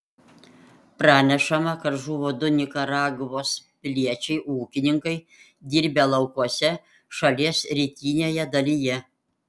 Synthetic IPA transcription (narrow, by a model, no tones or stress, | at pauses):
pɾɑːnʲɛʃɐmɐkɐɾʒuːʋoːd̪ʊnʲɪkɐɾɑːɡʋoːspʲlʲiɛt͡ʃʲɛɪʔuːkʲɪnʲɪŋkɐɪ | d̪ʲiːɾʲbʲeːlˠɐʊkuɔsʲɛ | ʃɐlʲiɛsɾʲiːt̪ʲiːnʲeːjɛd̪ɐlʲijɛ